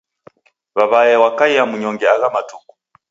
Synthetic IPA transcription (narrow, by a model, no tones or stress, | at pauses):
βaβajɛwakaiamuɲɔŋɡɛaɣamatuku̥